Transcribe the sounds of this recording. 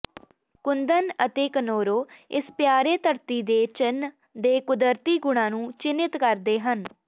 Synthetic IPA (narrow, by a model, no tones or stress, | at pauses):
kʊnd̪ənət̪eːkənoːɾoːɪ̰spjaːɾeːt̪əɾt̪iːd̪eːt͡ʃɪn | d̪eːkʊd̪əɾt̪iːɡʊɽ̃ãːnũːt͡ʃɪnːɪt̪kəɾd̪eːɦən